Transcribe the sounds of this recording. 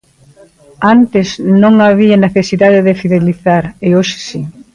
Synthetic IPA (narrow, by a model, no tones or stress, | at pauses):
ant̪ɪsnõŋaβiɐneθesiðaðeðɪfiðeliθaɾɪoʃɪ̥si